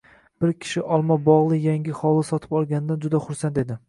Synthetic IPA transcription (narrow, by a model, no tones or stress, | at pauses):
b̥ɪɾkʲʰɪ̥ʃɪʔɒlˠmabɒʁlˠɪjaŋʲɪχɒlˠɪsɒt̪ʰɪ̥pɒlˠɡʲand̪and͡ʒʊd̪aχʊɾsant̪e̞d̪ɪ